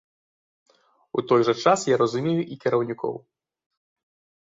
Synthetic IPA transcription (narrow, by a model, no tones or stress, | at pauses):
ut̪ɔjʐɐt͡ʂasjaɾɐzumʲejuʔikʲɛɾɐwnʲikʰɔ̰w